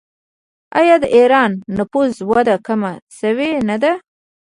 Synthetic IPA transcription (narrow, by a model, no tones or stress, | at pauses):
a̰jɑd̪əʔeɾɑnːapuzwad̪akamasəwenad̪a